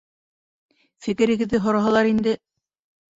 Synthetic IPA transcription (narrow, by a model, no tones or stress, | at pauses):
fɘ̆kɘ̆ɾɘ̆ɡɘ̆ðːɘɦŏɾɑɦɑlˠɑɾind̪ɘ